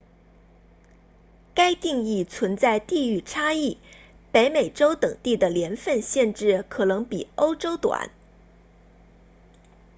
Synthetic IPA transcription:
ka˥ɪt̪i˥˧ŋi˥˩t͡sʰwə˧˥nt͡sa˥˧ɪt̪i˥˧y˥˩ʈ͡ʂʰa˥i˥˩ | pe˧˥ɪme˨˩ɪʈ͡ʂo˥ʊt̪ɤ˨˩ŋt̪i˥˩d̪ə˩ljɛ˧˥nfə˥˧nɕjɛ˥˧nʈ͡ʂɻ̩˥˩kʰɤ˨˩nɤ˧˥ŋpi˨˩o˥ʊʈ͡ʂo˥ʊt̪wa̰˨˩˦n

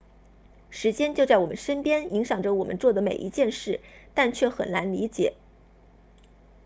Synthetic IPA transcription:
ʂɻ̩˧˥t͡ɕjɛ˥nt͡ɕjo˥˧ʊt͡sa˥˩wɔ˨˩mə˦nʂə˥npjɛ˥ni˧˥ŋɕjɑ˨˩ŋʈ͡ʂə˦wɔ˨˩mʔə̰˦nt͡swɔ˥˩d̪ə˩me˨˩ɪʔi˧˥t͡ɕjɛ˥˧nʂɻ̩˥˩t̪a˥˧nt͡ɕʰɥɛ˥˩xə˨˩nna˧˥nli˧˥t͡ɕjɛ̰˨˩˦

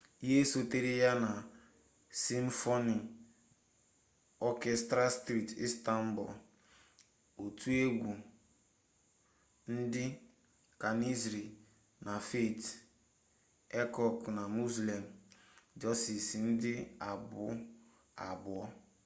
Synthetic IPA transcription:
i˦ɦe˦so˦te˦ɾi˦ja˦na˨ | si˦m̩˦fo˦ni˨ | ɔ˦kɛ˦stɾa˦stɾi˦˨tḭ˦sta˦m̩˦bʊ̰˨ | o˨tu˦e˦ɡʷu˨ | n̩˦dɪ˦ | ka˨ni˦zɾi˨ | na˨fe˦˨t | e˦kɔ˨kna˨mu˦sli˨m̩˨d͡ʒɔ˦si˨sn̩˦dɪ˦a˨bʊ˦ | a̰˨bʊ˨ɔ˦

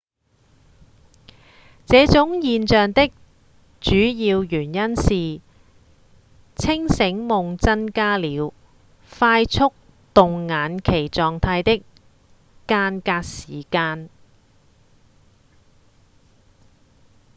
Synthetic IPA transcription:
t͡sɛː˨˧˥t͡sʊ˨˥ŋjiː˨˧nt͡ʃœː˨˩ŋt̪ɪ˥k̚ | t͡ʃyː˨˥jiː˧wjyː˨˩njɐ˥nsiː˨ | t͡sʰɪ˥ŋsɪ˨˥ŋmʊ˨ŋt͡sɐ˥nkaː˥liː˨˧w | faː˧jt͡sʰʊ˥k̚ | t̪ʊ˨ŋːaː˨˥nkʰe˨˩jt͡sɔː˨ŋt̪ʰaː˧jt̪ɪ˥kː | aː˧nkaː˧k̚siː˨˩kaː˧n

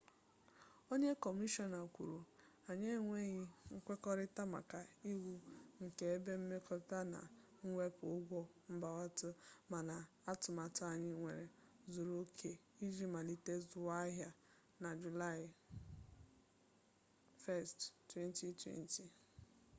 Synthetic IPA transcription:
o˦ɲe˦kɔ˨mi˦ʃɔ˦na˨kʷu˨ɾu˨ | a˨ɲe˦ŋʷe˦ɣi˦ŋ̩˦kʷe˦kɔ˦ɾɪ˦ta˦ma̰˨ka˨i˦wu˦ŋ̩˨ke˨e˦be˦m̩˦me˦kɔ˦ta˦na̰˨ | ŋ̩˦ŋʷe˦pʊ˨ʊ˦ɡʷɔ˦m̩˦ba˨wa˦tʊ˦ma˨na˨ | a˦tʊ˨ma˨ta˨ɲɪ˦ŋʷe˨ɾe˨ | zu˨ɾo˦kʰe˨ | i˦d͡ʒi˦ma˨li˦te˦zʊ˨wa˦ɦja˦ | na˨d͡ʒu˨la˦˨ɪ˨ | fɛ˦˨sttwe˦n˦ti˨twḛ˦n˦ti˨

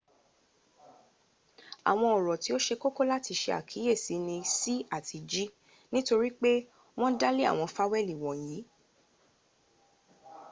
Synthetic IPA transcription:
a̰˨w̃ɔ̃˧ɔ˨ɾɔ˨ti˨˦o˦ʃe˧ko˦ko˦la˦ti˧ʃe˧a̰˨kʰi˨˦je˦˨si˨˦nĩ˧si˦a˦˨tʰi˨˧d͡ʒi˦ | nĩ˦to˧ɾi˦k͡pe˦ | w̃ɔ̃˦da˦le˦a̰˦˨w̃ɔ̃˧fa˦wɛ˦˨li˨w̃ɔ̃˨jiː˨˦

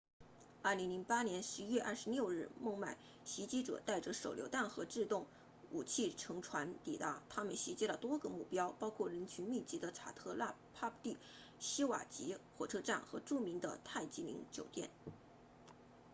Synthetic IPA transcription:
ɐ˥˩li˧˥ŋli˧˥ŋpa˥njɛ˧˥nʂɻ̩˧˥ɥɛ˥˧ʔɐ˥˩ʂɻ̩˧˥ljo˥˧ʊɻɻ̩˥˩mɤ˥˧ŋma˥˩ɪ | ɕi˧˥t͡ɕi˥ʈ͡ʂɤ̰˨˩t̪a˥˩ɪʈ͡ʂə˩˦ʂo˨˩ʊljo˧˥ʊt̪a˥˩nxɤ˧˥ʈ͡ʂɻ̩˥˧t̪ʊ˥˩ŋ | u˨˩t͡ɕʰi˥˩ʈ͡ʂʰɤ˧˥ŋʈ͡ʂʰwa˧˥nt̪i˨˩t̪a˧˥t̪ʰa˥mə˨nɕi˧˥t͡ɕi˥lə˨t̪wɔ˥ɡə˨mu˥˩pjɑ˥ʊpɑ˥ʊkʰwɔ˥˩ɻə˧˥nt͡ɕʰy˧˥nmi˥˩t͡ɕi˧˥d̪ə˧ʈ͡ʂʰa̰˨˩t̪ʰɤ˥˧la˥˧pʰa˥pt̪i˥˩ | ɕi˥wa̰˨˩t͡ɕi˧˥xwɔ˨˩ʈ͡ʂʰɤ˥ʈ͡ʂa˥˩nxɤ˧˥ʈ͡ʂu˥˩mi˧˥ŋd̪ə̰˧t̪ʰa˥˩ɪt͡ɕi˧˥lḭ˧˥ŋt͡ɕjo˨˩ʊt̪jɛ̰˥˩n

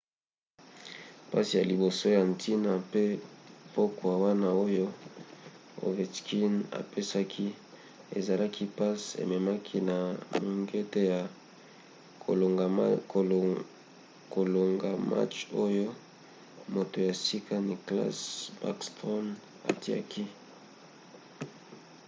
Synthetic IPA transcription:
pa˦si˨ja˨li˨bo˨so˦ja˨ntʰi˦na˨pe˦po˦ko˨ja˨wa˦na˦o˦jo˦ | o̰˨ve˨tki˦na̰˨pe˦sa˦kʰi˦ | ḛ˨za˨la˦ki˦pa˦sḛ˨me˨ma˦kʰi˦na˨mu˨ŋɡe˦te˦ja˨ | ko˨lo˨ŋɡa˨ma̰˦t͡ʃo˦jo˦ | mo˨to˨ja˨si˦ka˦ni˨kla̰˦sba̰˦kstɔ˦n | a̰˨ti˦a̰˦kʰi˦

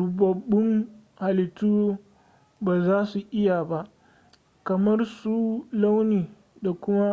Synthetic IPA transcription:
ʊ˨bɐ˨bːʊ˦ŋ | ha˨lɪ˨tuː˦ | baː˨zaː˦su˨ʔɪ˦ja˨ba˦ʔ | kɐ˨mɐ˦rsu˦la˦wniː˨ | da˨kʷʊ˦ma˦

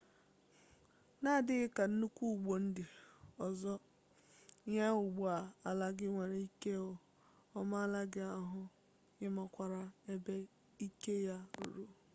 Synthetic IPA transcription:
na˦˨dɪ˦ɣɪ˦ka˨n̩˦nu˦kʷu˦u˨ɡ͡bo˨n̩˦dɪ˨ɔ˨zɔ˦ | ɲa˦ʊ˨ɡ͡bu˦˨a˨a˨la˦ɡɪ˦ŋʷe˨ɾe˨i˦ke˦ɔ˨ | ɔ˦ma˦a˦la˦ɡɪ˦a˦ɦʊ˦ | ɣɪ˦ma˦kʷa˨ɾa˦e˦be˦ | i˦ke˦ja˦ɾṵ˨ɾu˦

